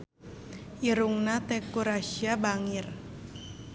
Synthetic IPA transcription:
ʔiɾuŋnat̪ɛkuɾaʃiabaŋir

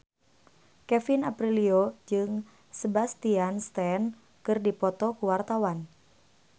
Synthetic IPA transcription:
kɛfinapɾiliod͡ʒɨŋ | səbast̪ianst̪ɛn | kɨrdipɔt̪ɔkuwart̪awan

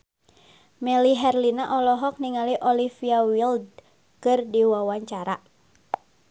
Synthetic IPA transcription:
mɛliɦɛrlinaʔɔlɔɦɔk̚niŋaliʔɔlifiawild | kɨrdiwawaɲt͡ʃaɾa

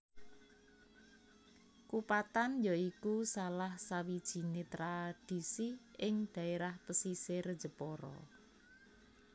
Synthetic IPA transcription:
kupat̪anjɔikusalahsawid̥ʒ̥i̤net̪ɾad̥i̤siɪŋd̪̥a̤eɾahpəsiseɾəd̥d͡ʒ̥ə̤pɔɾɔ̰

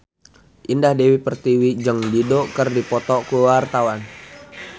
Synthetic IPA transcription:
ʔindahdewipərt̪iwid͡ʒəŋdidokərdipɔt̪ɔkuwart̪awan

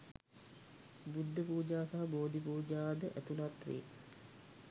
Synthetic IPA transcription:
bud̪ːəpuːd͡ʒaːsaɦɐboːd̪ʱipuːd͡ʒaːd̪əʔæt̪unat̪ʋḛː

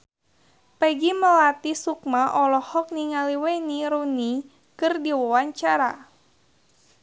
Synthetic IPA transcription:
pɛɡiməlat̪isuk̚maʔɔlɔhɔk̚niŋaliweniɾuni | kɨrdiwawaɲt͡ʃaɾa̰

